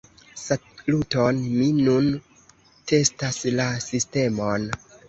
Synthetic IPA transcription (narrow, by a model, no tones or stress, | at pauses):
sa | lutonminun | te̞staslasiste̞mo̞n